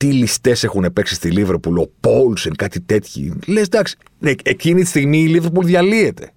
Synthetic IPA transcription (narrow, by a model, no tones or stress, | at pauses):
t̪ilist̪e̞se̞xunepe̞ksist̪iliveɾpulo̞po̞lsenkɐt̪it̪e̞t̪çḭle̞zd̪ɐksi̥ | neecinit̪i̥st̪iɣmiːliveɾpulðʝɐlie̞t̪e̞̰